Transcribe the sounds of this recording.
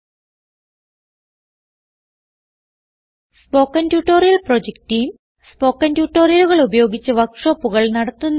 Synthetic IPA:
spo̞ːkːɐntjuʈːo̞ːrijɐlprod͡ʑek̚tijm | spo̞ːkːɐntjuːʈːo̞ːrijɐluɣɐɭubɐjo̞ːɡit͡ɕːɐʋɐkʂo̞ːpːuɣɐɭnɐɽɐt̪ːunː

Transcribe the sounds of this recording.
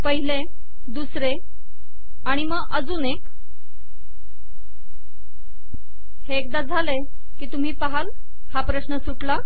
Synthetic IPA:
pəɦile | d̪usɾe | aɽ̃iməɡʔəd͡zuːnek | heːk̚d̪ad͡zʱale | kiːt̪um̤iːpaɦal | hapɾəɕnəsuʈla

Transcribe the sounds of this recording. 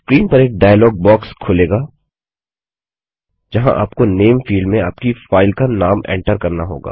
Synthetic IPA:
skɾiːnpɐɾeːk̚ɖaːjəlɔːɡ̚bɔːkskʰʊleːɡaː | d͡ʒɐɦã̰ʔa̰ːpkoneːmfiːlɖmẽaːpkifaːɪlkanaːmɛ̰̃ːɳʈəɾkɐɾnaɦo̰ːɡa̰ː

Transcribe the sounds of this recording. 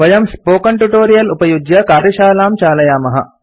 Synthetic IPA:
ʋɐjɐmspoːkɐɳʈuʈoːɾijɐlupɐjud͡ʒjɐkaːɾjɐʃaːlaːmt͡ʃaːlɐjaːmɐɦɐ̰

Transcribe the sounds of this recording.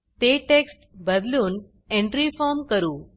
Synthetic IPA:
t̪eʈeksʈbəd̪luːn | ẽɳʈɾifɔɾmkəɾuː

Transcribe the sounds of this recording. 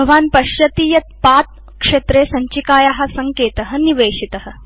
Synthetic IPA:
bɐʋaːnpɐʃjɐt̪iːjɐt̪̚paːt̪̚ | kʂet̪ɾeːsɐɲt͡ʃikaːjaɦɐsɐŋkeːt̪ɐɦə̆niʋeːʂit̪ɐɦə̆

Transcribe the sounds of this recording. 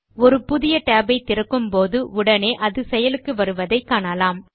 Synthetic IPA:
ɔɾɯpʊðɪjɐʈaːbɐɪt̪ːɪɾɐkːɯmpoːðɯʊɽɐneːʔɐðɯsɛjɐlɯkːɯʋɐɾɯʋɐðɐɪkːaːɳalaːm

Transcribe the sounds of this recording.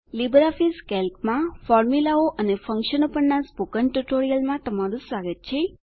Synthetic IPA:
libɾafiskɛlkmãfɔɾmilaoʔənefəŋkʃənopəɳnasbukənʈuʈoɾijəlmãt̪əmaɾũsʋaɡət̪̚t͡ʃʰe

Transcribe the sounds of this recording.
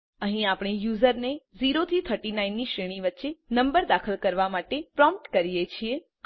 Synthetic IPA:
əɦĩapɳ̃ijuzəɾneziɾot̪ʰit̪ʰəɾʈinainːiʃɾeɽ̃ĩʋətːʃenəmbəɾd̪akʰəlkəɾʋamaʈepɾɔmpʈkəɾijet͡ʃʰie

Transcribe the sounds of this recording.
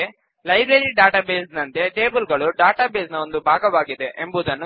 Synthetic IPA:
e | lɐjbɾeɾiɖaːʈaːbeːsnɐnt̪e̞ʈe̞ːbulɡɐɭuɖaːʈaːbeːsnɐo̞nd̪ubʱaːɡɐʋaːɡid̪e̞ʔembuːd̪ɐnːu

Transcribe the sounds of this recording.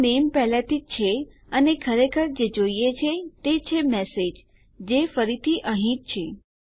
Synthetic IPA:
nempɛɦlat̪it͡ʃʰe | ənekʰəɾekʰəɾd͡ʒed͡ʒoijet͡ʃʰet̪et͡ʃʰemɛsed͡ʒ | d͡ʒefəɾit̪ʰiʔə̃ɦĩt͡ʃ̚t͡ʃʰe

